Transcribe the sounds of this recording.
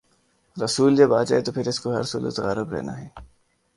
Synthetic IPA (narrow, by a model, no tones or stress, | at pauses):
ɾɐsuːld͡ʒebaːt̪d͡ʒa̰ːet̪opʰɪɾɪskoɦɐ̰ɾsuːlə̰t̪ɣa̰ːɾəbɾɛ̰ːna̰ɦɛː